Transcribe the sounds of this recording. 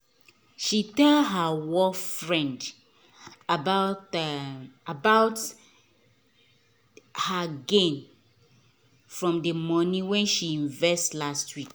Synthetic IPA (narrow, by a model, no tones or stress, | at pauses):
ʃitɛldɦəwɔfɹɛ̃nd | abaʊt | abaʊt | haɡẽn | fɹɔ̃mdəmɔnĩwɛ̃nʃiĩɱvɛstlastwik